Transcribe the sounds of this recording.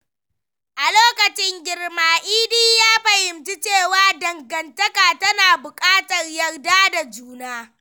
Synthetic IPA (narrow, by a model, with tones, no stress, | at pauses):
ʔa˨loː˦kɐ˨t͡ʃɪ˦ŋɡʲɪ˨rmaː˨˦ʔiː˦diː˦jaː˦ɸɐ˨hɪ˨mti˦t͡ʃeː˦˨waː˦dɐ˨ŋɡɐ˨ntɐ˦kaː˨tɐ˦naː˨bʊ˨kʼaː˦tɐ˨rjɐ˨rdaː˦da˨d͡ʒuː˦naː˦